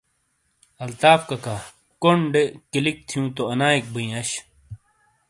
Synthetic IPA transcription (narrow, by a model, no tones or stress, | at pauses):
ɐlt̪aːpkɐka | koɳɖekilik̚t̪ʰijũːt̪oɐnaːik̚bɐĩɐɕ